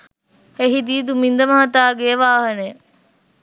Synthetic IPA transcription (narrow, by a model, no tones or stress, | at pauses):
heɦid̪iːd̪umind̪əmɐɦɐt̪aːɡeʋaːɦənej